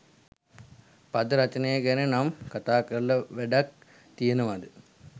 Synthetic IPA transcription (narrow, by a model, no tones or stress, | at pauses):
pɐd̪ɐɾɐt͡ʃɐnejɐɡɛnenamkɐt̪aːkɐɾlɐʋeɖɐk̚ | t̪ijɐnuʋɐd̪ɨ